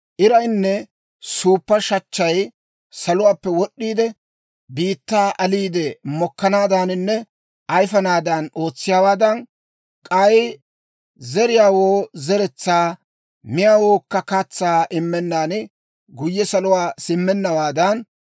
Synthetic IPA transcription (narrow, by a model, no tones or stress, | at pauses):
ʔɪɾɐjnːɛ | suːpːɐʃɐt͡ʃːɐj | sɐlʊwaːpːɛwɔɗːiːd̪ɛ | biːt̪ːaːʔɐliːd̪ɛmɔkːɐnaːd̪aːnɪnːɛ | ʔɐjfɐnaːd̪ɐno̞ːt͡sːɪjaːwaːd̪ɐn | kʼɐj | zɛɾɪjaːwoːzɛɾɛt͡sːaː | mɪjaːwoːkːɐkat͡sːaːʔɪmːɛnːaːn | ɡʊjːɛsɐlʊwaːsɪmːɛnːɐwaːd̪ɐn